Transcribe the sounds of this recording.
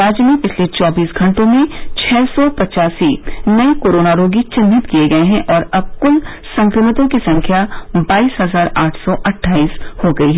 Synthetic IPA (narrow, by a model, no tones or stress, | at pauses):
ɾaːd͡ʒmẽpɪt͡ʃʰlet͡ʃɔːbiːsɡʱɐ̃ɳʈõmẽt͡ʃʰɛːsɔpɐt͡ʃaːsinɐikoːɾoːnaɾoːɡit͡ʃɪnɪt̪kieɡɐeɦɛ̃ʔɔːɾɐb̚kʊl | sɐ̃ŋkɾɪmɪt̪õkisɐ̃ŋkʰjabaːiːsɦɐzaːɾaːʈʰsɔʔɐʈʰːaːiːshoɡɐiɦɛ